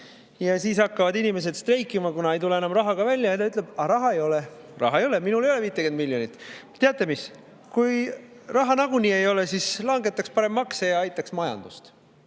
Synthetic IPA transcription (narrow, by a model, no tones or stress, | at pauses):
jɑsiːsɑkːɑvɑd̪inime̞s̬e̞d̪st̪re̞jkːˑimɑkunɑe̞jt̪ule̞enɑmrɑɦɑɡɑvælʲjɑjɑt̪ɑyt̪ˑle̞b̥ɑɾɑɦɑejo̞le | rɑ̰ɦɑejo̞leminule̞joeviːt̪ːˑekend̪milʲjo̞nit̪ːˑt̪ːeɑt̪ːˑe̞mis | kuj | rɑɦɑnɑɡ̥unʲie̞jo̞lesislɑŋɡe̞t̪ːˑɑkspɑɾe̞mːɑksejɑɑjt̪ːˑɑksmɑjɑ̰nd̪̥ust̪